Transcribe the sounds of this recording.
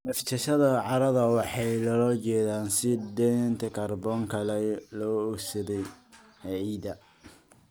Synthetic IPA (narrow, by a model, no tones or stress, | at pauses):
mɛft̪ʰɐʃɐðɐʕɑɾɐðɐwɑħɑjlɐlɔːt͡ʃɛːðaːnsɪd̪ɛnt̪ʰɐkʰɐrbɔːŋkʰɐlɛlɔːɔɡsɐðɛj | hʕiːd̪ɐ